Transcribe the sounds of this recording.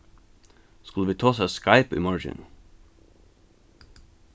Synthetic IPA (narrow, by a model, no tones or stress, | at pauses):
skʉləʋiːt̪ʰoːsæɪskɑɪpḭːmɑɹd͡ʒɪ̰n